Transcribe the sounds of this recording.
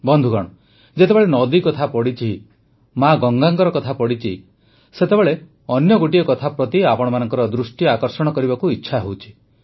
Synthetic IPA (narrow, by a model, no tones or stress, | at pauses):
bɔnd̪ʱuɡɔɽ̃ɔ | d͡ʒet̪ebeɭenɔd̪ikɔt̪ʰapɔɽit͡ʃʰi | maɡɔŋɡaŋɡɔɾɔkɔt̪ʰapɔɽit͡ʃʰi | set̪ebeɭe | ɔnjɔɡoʈiɔkɔt̪ʰapɾɔt̪iapɔɽ̃ɔmanɔŋkɔɾɔd̪ɾusʈiakɔɾsɔɽ̃ɔkɔɾibakuitːʃʰaɦowt͡ʃʰi̥